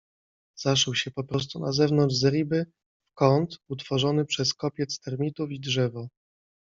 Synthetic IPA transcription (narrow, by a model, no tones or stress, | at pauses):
zaʂɛwɕɛpɔpɾɔst̪unazɛvnɔnʐzɾʲibɘ | fkɔnt̪ut̪fɔʐɔnɘpʂɛskɔpʲjɛt̪st̪ɛɾmʲit̪ufidʐɛvɔ